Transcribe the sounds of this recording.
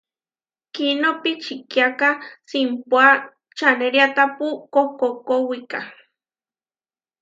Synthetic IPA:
kinopit͡ʃikjakasimpwa | t͡ʃaneɾjat̪apukokokowika

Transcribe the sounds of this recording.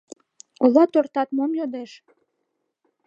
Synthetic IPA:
olɑt̪ort̪ɑt̪momjod̪eʃ

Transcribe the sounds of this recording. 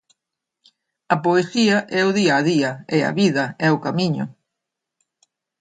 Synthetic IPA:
ɐpoeθiɐʔɛʊðiaːðiɐeɐ̰βiðɐɛʊkamiɲʊ̰

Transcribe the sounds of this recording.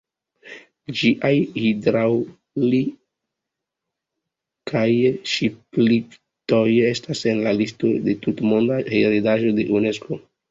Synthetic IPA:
d͡ʒiʔajhidɾaw | li | kʰajʃiplip | to̞je̞stase̞nlalisto̞de̞tutmo̞ndaheɾidaʒo̞deʔune̞sko̞

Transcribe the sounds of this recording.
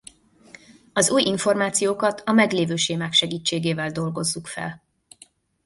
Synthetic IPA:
ɒzuːjʔiɱformaːt̪sijoːkɒt̪ʰɒmɛɡleːvøːʃeːmaːkʃɛɡiːt͡ʃːeːɡeːvɛld̪o̞lɡo̞zːukfɛ̰l

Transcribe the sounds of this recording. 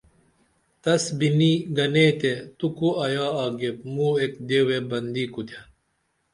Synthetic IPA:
t̪ɐsbiniɡɐneːt̪et̪ukuɐjaːaːɡep̚muekd̪ewebɐnd̪ikut̪ʰɐ

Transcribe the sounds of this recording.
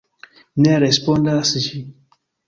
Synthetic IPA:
neɾɛspɔ̃ndasiʃi

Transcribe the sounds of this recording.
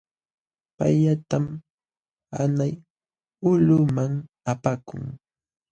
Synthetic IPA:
paʎat̪am | a̰naj | ʊʎʊmaŋ | apakʊ̰ŋ

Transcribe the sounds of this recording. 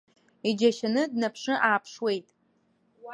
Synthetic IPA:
id͡ʒɐʃanɨdnɐpʰʂɨʔaːpʰʂwe̞jtʼ

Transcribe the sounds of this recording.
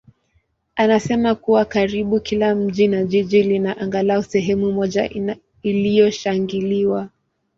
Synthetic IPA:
anasɛmakuwakaɾiɓukilam̩ʄinaʄiʄilinaʔaŋɡalaɔsɛɦɛmumɔʄa | ilijɔʃaŋɡiliwa

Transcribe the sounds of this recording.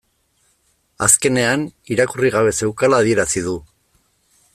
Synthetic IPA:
a̰ske̞ne̞aniɾakuriɣaβ̞e̞se̞wkalaːð̞ie̞ɾasið̞u

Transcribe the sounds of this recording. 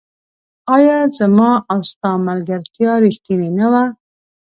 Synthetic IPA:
ɑjɑzəmɑʔawst̪ɑmalɡaɾt̪jɑɾixt̪ininawa

